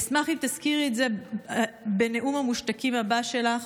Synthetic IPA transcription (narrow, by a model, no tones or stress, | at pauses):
smaχimt̪askiʁeze̞ | bene̞ʔumamuʃtakimhabaʃe̞laχ